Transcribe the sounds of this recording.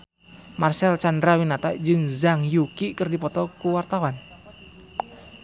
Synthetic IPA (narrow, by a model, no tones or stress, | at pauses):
marsɛlt͡ʃandɾawinat̪ad͡ʒɨŋzaŋjukikərdipɔt̪ɔkuwart̪awan